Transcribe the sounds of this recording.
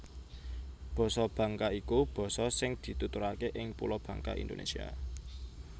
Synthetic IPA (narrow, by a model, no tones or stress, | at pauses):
b̥ɔ̤sɔb̥ä̤ŋkaikub̥ɔ̤sɔsɪŋd̪̥i̤t̪ut̪uɾakeʔɪŋpṵlɔb̥ä̤ŋka̰ʔḭnd̪o̰nḛsia̰